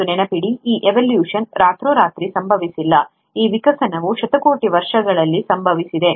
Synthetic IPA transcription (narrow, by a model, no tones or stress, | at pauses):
unɛnɐpiɽiiːʔeʋɐljuːʂɐnɾaːt̪ɾuːɾaːt̪ɾisɐmbʱɐʋisilːɐ | iːʋikɐsɐnɐʋuʃɐt̪ɐko̞ːʈiʋɐɾʂɐɡɐɭɐlːisɐmbʱɐʋisid̪e̞